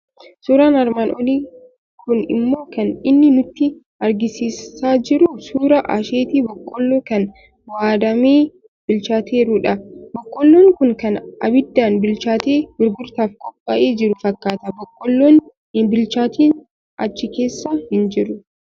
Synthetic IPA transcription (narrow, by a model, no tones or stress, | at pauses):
suːɾaːnɐɾmaːnʔɔliː | kʊnɪ̰mːo̞ːkɐnɪnːɪnʊt̪ːɪ | ʔɐɾɡɪsiːsaːd͡ʒɪɾʊsuːɾɐʔa̰ːʃeːt̪iːbɔkʼːɔlːoːkɐn | waːd̪ɐmeː | b̥ɪlt͡ʃaːt̪ʰe̞ːɾʊᶑɐbɔkʼːɔlːoːŋkʊŋkɐnʔɐ̰bɪd̪ːaːnbɪlt͡ʃaːt̪eːbɪɾɡʊɾt̪aːfkʼɔpʼːɐʔeːd͡ʒɪɾʊfɐkːaːt̪ɐbɔkʼːɔlːoːn | bɪlt͡ʃaːt̪iːn | ʔɐt͡ʃːɪke̞ːsːahɪnd͡ʒɪɾʊ